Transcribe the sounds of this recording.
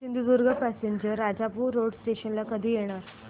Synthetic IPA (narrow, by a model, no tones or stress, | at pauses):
sind̪ud͡zuɾɡəpæseɲd͡ʑəɾːad͡ʑapuːɾːoɽsʈeɕənlakəd̪ʱiːjeɽ̃aɾ